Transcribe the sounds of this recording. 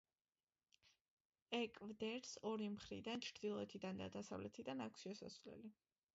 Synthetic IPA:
ɛkʼvd̪ɛɾsɔɾimχɾḭd̪ant͡ʃʰɾd̪ilˠɔɛt̪ʰid̪and̪a̰d̪asa̰vlɛt̪ʰid̪anakʷʰsʃiɛsa̰svlɛ̰li

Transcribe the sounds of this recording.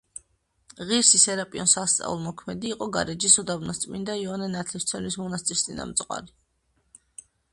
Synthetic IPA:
ʁiɾsisɛɾapʼiɔnsast̪sʼa̰ulˠmɔkʰmɛd̪iːqʼɔɡa̰ɾɛd͡ʒisɔd̪abnast̪sʼmind̪aiɔnɛnat̪ʰlist̪sʰɛnlismɔnast̪sʼist̪ʼina̰mt̪sʼqʼwa̰ɾi

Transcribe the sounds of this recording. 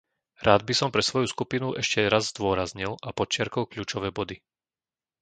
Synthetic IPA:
ɾaːd̪bisɔmpɾɛsʋɔjuskupinuʔɛʃcɛɾazzd̪ʊɔɾazɲilʔapɔt͡ʃɪaɾkɔlkʎuːt͡ʃɔʋɛːbɔd̪i

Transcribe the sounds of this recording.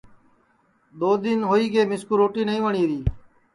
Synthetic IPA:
ɗ̪oːd̪ɪnɦoːiːɡeːmɪskuɾoːʈiːnəɦĩːʋəɳiːɾiː

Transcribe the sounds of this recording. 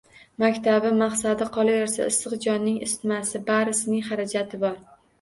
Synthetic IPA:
makʲt̪ʰabɪmaχsad̪ɪqʰɒlˠajɒɾsa̰ɪsːɨqd͡ʒɒnːɪŋɪ̰st̪masɪbaɾɪsɪnɪŋχaɾad͡ʒat̪ʰɪbɒɾ

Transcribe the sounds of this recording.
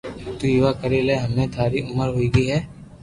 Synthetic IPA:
t̪uɪʋakɐɾeleɦɐmnẽt̪ʰaːɾiʊməɾɦoiɡiɦɛː

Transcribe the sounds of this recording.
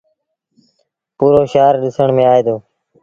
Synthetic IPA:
puːɾoːʃaːɾɗɪsəɳmẽːaːeːd̪oː

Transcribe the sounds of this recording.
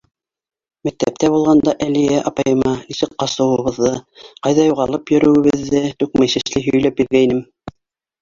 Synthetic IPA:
mæk̚t̪æ̰p̚t̪æβulˠʁɑnd̪ɑʔælijæʔɑpɑjɤ̆mɑnisɘk̚qːɑsɤ̆wɤ̆βɤ̆ðːɤqɑjðɑjuʁɑlˠɤpjɵ̆ɾɵ̆wɘ̆βɘ̆ðːɘt̪ʉk̚mæjsɘ̆ʃlɘɦɵ̆jlæpjɘ̆ɾɡæinɘm

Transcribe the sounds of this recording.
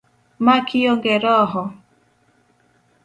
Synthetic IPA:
makijoŋɡeɾɔɦɔ

